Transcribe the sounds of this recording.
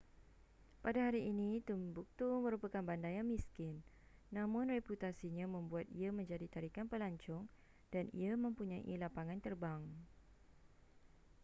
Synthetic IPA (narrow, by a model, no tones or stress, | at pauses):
padaɦaɾiʔːnĩt̪umbuk̚t̪umə̃ɾupakanbandajaŋmĩskɪnː | ãmʊ̃nreput̪asiɲãmə̃mbuat̪iamə̃ɲd͡ʒadit̪aɾikanpəlaɲt͡ʃʊŋ | d̥anḭamə̃mpuɲaʔilapaŋãnt̪ərbaŋ